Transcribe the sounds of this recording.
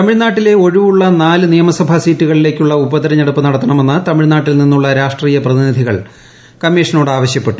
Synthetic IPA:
t̪ɐmiɻnaːʈːile̞o̞ɻuʋuɭːɐnaːlɨnijɐmɐsɐbʱɐsiːtːuɣɐɭile̞ːkʲːuɭːɐubɐðɐɾɐɲɐɽupːɨnɐɽɐt̪ːɐɳɐme̞nːɨt̪ɐmiɻnaːʈːilninːuɭːɐɾaːʂʈriːjɐprɐðinid̪ʱiɣɐɭ | kɐmːeːʂɐno̞ːɽɨaːʋɐɕjɐpːe̞ʈːu

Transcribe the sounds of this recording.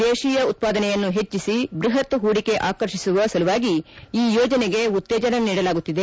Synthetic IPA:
d̪eːʃiːjɐut̪̚paːd̪ɐnɛjɐnːuɦe̞t͡ʃːisibɾiɦɐt̪ɦuːɽike̞ʔaːkɐɾʃisuʋɐsɐluʋaːɡiiːjoːd͡ʒɐneɡe̞ut̪ːɛːd͡ʒɐɾɐniːɽɐlaːɡut̪ːid̪e̞

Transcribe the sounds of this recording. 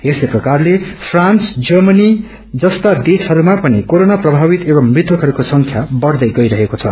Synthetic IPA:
esleprʌkarlepʰransd͡zʌrmʌni | d͡zʌst̪ad̪esɦʌɾumapʌnikoɾonaprʌbʱabit̪ebʌmmrit̪ʰwʌkɦʌɾukosʌŋkʰjabʌɽd̪ʌjɡʌjɾʌɦekot͡sʰʌ̰

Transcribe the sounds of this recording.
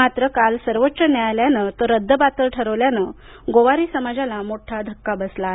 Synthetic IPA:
at̪ɾəkalsəɾʋətːt͡ɕənjajljanət̪əɾəd̪ʱːəbat̪əlʈʰəɾəʋljanə | ɡoʋaɾiːsəmad͡zalamoʈʰad̪ʱəkːabəsla

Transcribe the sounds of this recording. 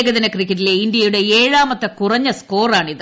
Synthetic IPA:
ɡɐðinɐkrikʲːɐʈ̬ːileind̪jɐjuɽe̞eːɻaːmɐt̪ːɐkurɐɲːɐsko̞ːraːɳiðɨ

